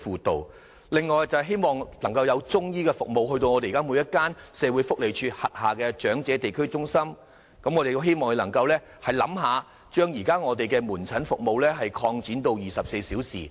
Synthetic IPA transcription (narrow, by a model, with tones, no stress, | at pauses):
fuː˨t̪o˨˩w | lɪ˨ŋːɔː˨jt͡sɐ˨wɦe˥jmɔː˨ŋlɐ˨˩ŋkɐ˧wjɐ˨˧wt͡sʊ˥ŋjiː˥kɛ˧fʊ˨k̚mo˨wɦɵ˧ɥt̪̬o˧wŋɔː˨˧t̪e˨jka˥muː˨˧jɐ˥t̚kːaː˥nsɛː˨˧wuː˨˧˥jfʊ˥k̚le˨jt͡ʃʰyː˧t̚hɐ˨t̚haː˨kɛː˧t͡ʃœː˨˥ŋt͡sɛː˨˧˥t̪e˨jkʰɵ˥ɥt͡sʊ˥ŋsɐ˥m | kɐ˧mŋɔː˨˧te˨jɦe˥jmɔː˨ŋjlɐ˨˩ŋkɐ˧wlɛː˥ | hɐ˨jlɐ̰˨˥mɦaː˨˧ | t͡ʃœː˥ŋjiː˨˩kaː˥ŋɔː˨˧t̪̬e˨jkɛː˧muː˨˩nt͡sʰɐ˨˥nfʊ˨k̚mo˨wlɛː˥ɦɐ˨jkʰɔː˧ŋt͡siː˨˥nt̪o˧wjiː˨sɐ˨p̚se˧jsiː˨˥wsḭː˨˩